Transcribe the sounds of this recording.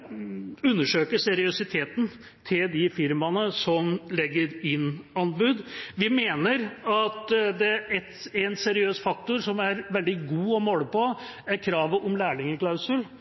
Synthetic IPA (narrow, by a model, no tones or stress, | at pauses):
ʉnːəʂøːkəsɛɾɪʉsɪt̪ʰeːt̪n | t̪ʰɪld̪ɪfɪɾmɑnəsɔmlɛɡːəɾɪnɑnbʉd̪ʋɪmeːnəɾɑt̪d̪ɛɛt̪æɛnsɛɾɪøːsfɑk̚t̪ʊɾʂɔmæɾʋɛld̪ɪɡuːɔmoːləpʰɔ | æɾkʰɾɑːʋəʔɔmlæːɭɪŋəkʰlɑʉsəl